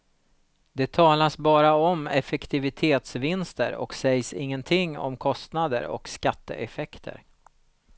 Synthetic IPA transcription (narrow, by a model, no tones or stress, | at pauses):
d̪ɛt̪ʰɑːlasbɑːɾaɔmɛfɛkt̪ɪvɪt̪ʰeːt̪svɪnst̪ə̰ɾɔ̰ksɛjsɪŋːənt̪ʰɪŋːɔ̰mkʰɔst̪nad̪ə̰ɾɔ̰kskat̪ːə̰ʔɛfɛkt̪ʰə̰ɾ